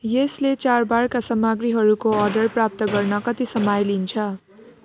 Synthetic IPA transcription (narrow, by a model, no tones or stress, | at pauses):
jeslet͡sarbarkasʌmaɡɾiɦʌɾukoʌrɖʌrprap̚t̪ʌɡʌrnʌkʌt̪isʌmajlint͡sʰʌ